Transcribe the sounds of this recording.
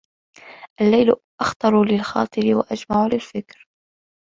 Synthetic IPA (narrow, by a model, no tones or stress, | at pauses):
ʔalːajlʔɑxt̪ˤɑɾˤulɪlxɑ̰ːt̪ˤɨɾɪwaʔad͡ʒmaʕulɪlfɪkɾ